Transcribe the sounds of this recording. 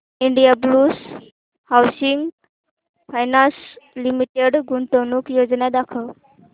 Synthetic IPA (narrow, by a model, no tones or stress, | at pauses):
iɳɖijablus | hawsiŋɡ | pʰajnanslimiʈeɖɡuɳt̪əwnukjod͡znad̪akʰəw